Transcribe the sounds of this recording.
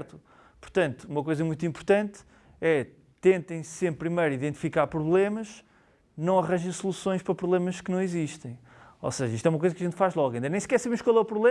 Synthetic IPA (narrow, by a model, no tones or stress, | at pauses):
ɾt̪u | puɾt̪ɐ̃nt̪u̥umɐkojzɐmũj̃t̪ĩmpuɾt̪ɐ̃nt̪ | ɛ | t̪ẽnt̪ɐ̃j̃ssẽmppːɾimɐjɾiðẽnt̪i̥fikaɾpɾuβlˠemɐʃ | nɐ̃w̃ɐʁɐ̃ʒɐ̃j̃sulˠusõj̃ʃpɾɐpɾuβlˠemɐʃkɨnɐ̃w̃iziʃt̪ɐ̃j̃ | o̰seʒɐiʃt̪ɛumɐkojzɐkɐʒẽnt̪faʒlˠɔɣɐĩnd̪ɐnẽj̃skɛɾsɐβemʃkwalˠɛupɾuβlˠe